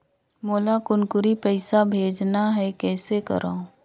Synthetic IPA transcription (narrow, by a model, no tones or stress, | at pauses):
moːlakʊnkʊɾipɛɪsabʱeːd͡ʒnaɦɛkɛːsekə̰ɾʔõː